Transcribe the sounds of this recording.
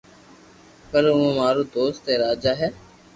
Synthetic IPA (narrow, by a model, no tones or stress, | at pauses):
pəɾũːãːmaːɾoːd̪oːst̪eːɾaːd͡ʒaːɦɛː